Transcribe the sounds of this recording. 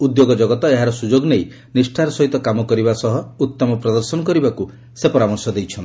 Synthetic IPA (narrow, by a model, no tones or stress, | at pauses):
ud̪joɡɔd͡ʒɔɡɔt̪ɔeɦaɾɔsud͡ʒoɡnej | nisʈʰaɾɔsɔɦit̪ɔkamɔkɔɾibasɔɦɔut̪ːɔmɔpɾɔd̪ɔɾsɔnɔkɔɾibaku | sepɔɾamɔɾsɔd̪ejt͡ʃʰɔnt̪